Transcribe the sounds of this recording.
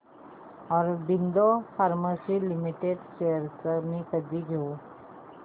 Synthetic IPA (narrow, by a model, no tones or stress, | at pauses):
ɔɾbind̪ofaɾmasilimiʈeɖɕejəɾt͡səmikəd̪ʱiɡʱeu